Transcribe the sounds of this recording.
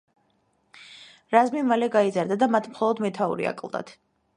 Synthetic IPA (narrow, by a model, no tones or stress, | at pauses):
ɾazmimalɛɡaizaɾd̪ad̪amat̪ʰmχɔlˠɔd̪mɛt̪ʰaṵɾḭa̰kʼlˠd̪a̰t̪ʰ